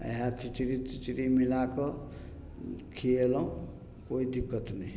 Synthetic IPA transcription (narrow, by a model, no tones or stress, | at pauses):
ə̰ɦakʰit͡ʃɾit͡ʃit͡ʃɾimilakʌ | kʰielɔɦũ | koid̪ikːət̪nej